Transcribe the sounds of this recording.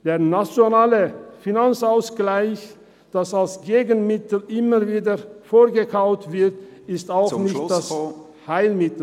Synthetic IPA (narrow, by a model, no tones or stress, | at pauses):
d̥eːɐnat͡sjonaːləfinant͡saʊsɡ̥laɪç | d̥asalsɡ̥eːɡənmɪtl̩ɪməviːdəfoːɡəkʰaʊtv̥ɪɐtɪstaʊxnnɪçd̥as | haɪlmɪtl̩